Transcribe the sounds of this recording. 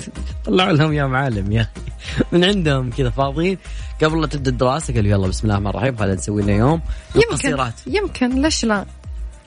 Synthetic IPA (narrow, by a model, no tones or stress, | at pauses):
t̪ˤɑlːɑʕulahʊmjoːmʕaːlamjaːximɪnʕɪnd̪hʊmkɪd̪afɑːðˤiːnɡ̥abɾlɑːt̪ɪb̚d̪ad̪ɪɾɑːsakalːujalˤːɑːbɪsmɪlʔaʔahmanˤrˤɑ̰ħiːmxalːansawːinajoːmwɪɑsiːɾˤɑːt̪jɪmkʰɪnleʃla